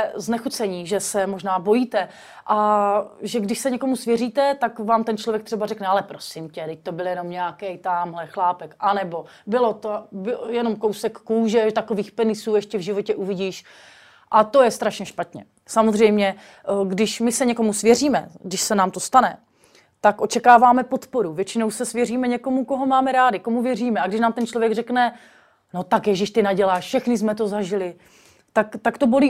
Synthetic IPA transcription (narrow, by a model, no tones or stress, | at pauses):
ɛznɛxut͡sɛɲiːʒɛsɛmo̞ʒnaːbo̞jiːt̪ɛ | ʔaʒɛɡdɪʃsɛɲɛko̞musvjɛriːt̪ɛt̪akvaːmt̪ɛnt͡ʃlovjɛk̚t̪r̝ɛbarɛknɛalɛpɾo̞sɪmcɛdɪc̚t̪o̞bɪljɛno̞mɲɛakɛjt̪amɦlɛxlaːpɛkʔanɛbo̞ | bɪlo̞t̪obɪjɛno̞mko̞wsɛkːuːʒɛt̪ako̞viːxpɛnɪsuːɛʃcɛvʒɪvo̞cɛʔuvɪɟiːʃ | ʔat̪o̞jɛst̪ɾaʃɲɛʃpat̪ɲɛ̰ | samozr̝ɛjmɲɛ | ɡdɪʃmɪsɛɲɛko̞musvjɛriːmɛ̰ɡdɪʃsɛnaːmt̪o̞st̪anɛ | t̪akʔo̞t͡ʃɛkaːvaːmɛpo̞t̪po̞ɾuvjɛt͡ʃɪnowsɛsvjɛriːmɛɲɛko̞muko̞ɦo̞maːmɛɾaːdɪkomuvjɛriːmɛaɡdɪʃnaːmt̪ɛnt͡ʃlo̞vjɛɡrɛknɛ | not̪akjɛʒɪʃt̪ɪnaɟɛlaːʃfʃɛxnɪsmɛt̪o̞zaʒɪlɪ | t̪akt̪akt̪o̞bo̞liː